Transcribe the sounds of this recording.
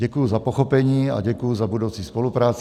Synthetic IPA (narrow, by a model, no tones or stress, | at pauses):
ɛkujuzapoxopɛɲiːa̰ɟɛkujuzabudowt͡sispolupɾaːt͡s